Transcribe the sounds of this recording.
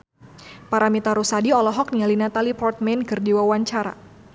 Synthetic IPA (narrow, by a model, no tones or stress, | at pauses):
paɾamit̪aɾusadiɔlɔɦɔk̚nialinat̪alipɔrt̪̚mɛnkɨrdiwawaɲt͡ʃaɾa̰